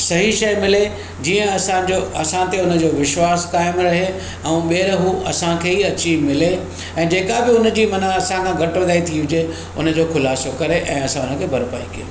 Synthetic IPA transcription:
sɐɦiʃɐjmɪle | d͡ʑiːə̃ɐsãd͡ʑoɐsãt̪eʊnə̆d͡ʑoːʋɪʃwaːskaːɪmɾɐɦe | ɛ̃ũɓeːɾɦuɐ̰sãkʰeːɦiɐt͡ɕimɪle | ɛ̃ːd͡ʑeːkabɪʊnəd͡ʑiːmɐnəɐsãkʰãɡʱɐʈʋɐd̪aːit̪ʰiʋɪd͡ʑe | ʊ̰nə̆d͡ʑoːkʰʊlaːsokɐɾeʔɛ̃ːɐsãʊnə̆kʰeːbʱɐɾpa̰ːḭkiḛ

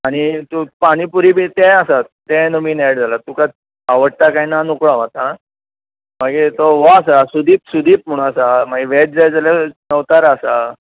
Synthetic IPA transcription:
aɽ̃it̪upaɽ̃ipuɾiːbit̪ɛ̃asat̪ɛ̃nəminɛɽd͡zalat̪uka | aʋəɽt̪akainanukɭaʋ̤at̪a | maɡet̪ɔʋas̬asud̪ʱiːpsud̪ʱiːp̚m̤uɽ̃ũasamaɡiʋɛʈ̚d͡zajd͡zaljanəʋt̪aɾasa

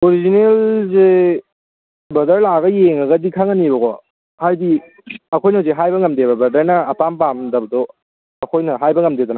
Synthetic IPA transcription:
oɾizinelze | bɐdɐɾlaɡɐjeŋɐɡɐdikʰaŋanibɐkɔ | hajdi | ɐkʰojnɐzeɦajbɐŋɐmdebɐbɐdɐɾnɐːpampamdɐbɐdɔ | ɐkʰojnɐɦajbɐŋɐmdedɔna

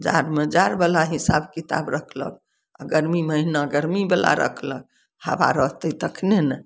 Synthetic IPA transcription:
d͡ʒa̰ɾmed͡ʒaɾbelaɦisa̰bkit̪a̰bɾəkʰlə̰k̚ | a̰ɡəɾmiməɦinaɡəɾmibela̰ɾə̰kʰlək̚ | ha̰ba̰ɾəɦt̪əit̪əkʰnenɛ

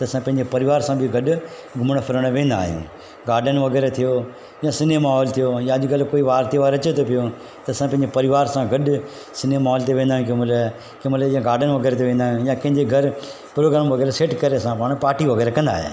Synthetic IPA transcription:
t̪ɐɐsãpɐ̃ɦɪ̃ɲd͡ʑepɐɾɪʋaːɾsãbʱɪɡɐɗʊ | ɡʱʊməɽ̃pʰɪɾəɽ̃ʋẽːnd̪a̰ːɦijṵ̃ː | ɡaːɾɖənʋɐɣɛːɾet̪ʰijo | jãsɪnemaːɦɔːlt̪ʰijojãɐʄʊkɐlkoːiʋaːɾt̪ʰeʋaːɾɐt͡ɕet̪ʰopijo | t̪ɐːsãpɐ̃ɦɪ̃ɲd͡ʑepɐɾɪʋaːɾsãɡɐɗʊ | sɪnemaːɦɔːlt̪eʋẽːnd̪aːɦjĩũkemʊla | kɪ̃məljãɡaːɾɖənʋɐɡɛːɾet̪̬eʋẽːn̆d̪aːɦjũjãkɐ̃ɦɪ̃ɲd͡ʑeɡʱɐɾ | pɾoːɡɾaːmʋɐɣɛːɾeseːʈkɐɾeɐsãpaːɽ̃paːʈiʋɐɣɛːɾekɐ̃nd̪a̰ːɦḛ

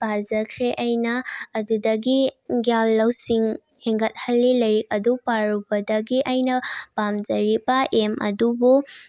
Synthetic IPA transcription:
b̥ʱazɐkʰɾeʔɐjnɐːdudɐɡiɡjalːɐwsiŋ | heŋɡɐt̚hɐlːilɐjɾik̚ɐdupaɾubɐdɐɡiʔɐjnɐpamd͡ʒɐɾibɐʔemʔɐ̰dubu

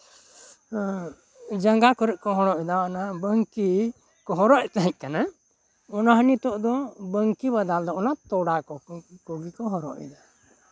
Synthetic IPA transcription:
d͡ʒaŋɡakɔɾɛʔkɔɦɔɽɔʔid̪aɔnabəŋki | kɔɦɔɾɔʔt̪aɦɛ̃c̚ˀkana | ɔnaɦənit̪ɔʔd̪ɔbəŋkibad̪ald̪ɔɔnat̪ɔɽakɔkɔɡikɔɦɔɾɔ̰ʔḭd̪a

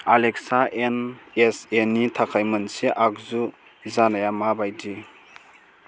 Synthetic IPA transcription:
alek̚saʔenesenitʰakʰajmənseʔak̚zu | zanajamabajdi

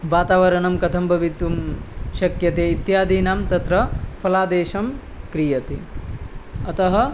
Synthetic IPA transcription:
ʋaːt̪aːʋɐɾɐɳɐmkɐt̪ʰɐmbʱɐʋit̪ʋumʃɐkjɐt̪eːit̪jaːd̪iːnaːmt̪ɐt̪ɾɐpʰɐlaːd̪eːʃɐm | kɾijɐt̪i | ɐt̪ɐɦɐ̆

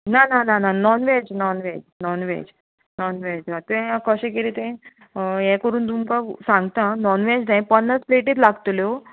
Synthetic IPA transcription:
nananananɔnʋed͡ʑnɔnʋed͡ʑnɔnʋḛd͡ʑ | nɔnʋed͡ʑat̪ẽãkəɕẽkeɾit̪ẽ | jɛ̃kəɾuːnt̪̬umkasãŋɡt̪ãnɔnʋed͡ʑnaj̃pənːat͡spleʈiːt̪laɡt̪ljo

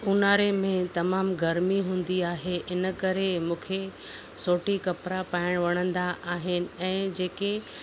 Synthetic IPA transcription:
unaːɾemẽt̪ɐmaːmɡɐɾmiɦũːn̆d̪iaːɦeʔɪnə̆kɐɾemũːkʰesoːʈikɐpɾapaːɪɽ̃ʋɐɽ̃ə̃nd̪aʔaːɦɪnɪ̆ɛ̃ːd͡ʑeːke

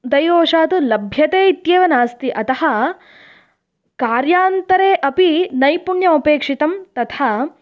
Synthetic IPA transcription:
d̪ɐjoːʂaːt̪ulɐbʱjɐt̪eːit̪jeːʋɐnaːst̪iʔɐt̪ɐhɐ | kaːɾjaːnt̪ɐɾeːʔɐpinɐjpuɳjɐupeːkʂit̪ɐmt̪ɐt̪ʰa

